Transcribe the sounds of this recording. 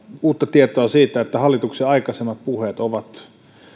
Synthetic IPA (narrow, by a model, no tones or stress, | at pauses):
uːt̪ːɑt̪iet̪oɑsiːt̪æet̪ːæhɑlːˑit̪ukseɑikɑsemːɑt̪̚puhet̪oʋɑt̪